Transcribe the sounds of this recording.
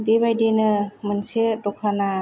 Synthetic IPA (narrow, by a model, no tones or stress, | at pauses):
bebajdenɯmɯnsedɔkʰana